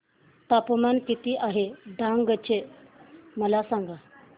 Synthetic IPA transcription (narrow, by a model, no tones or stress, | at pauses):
t̪apəmankit̪iːʔaɦeɖãŋɡət͡ɕe | məlasaŋɡa